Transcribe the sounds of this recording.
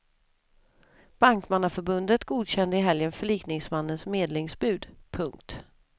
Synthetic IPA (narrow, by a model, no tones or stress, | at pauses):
b̥aŋkmanafœɾbɵnd̪ət̪ɡuːd̪ɕɛnd̪əɪɦɛljənfœɭiːknɪŋsmanːənsmeːd̪lɪŋsbʉ̟ːd̪pʰɵŋk̚t̪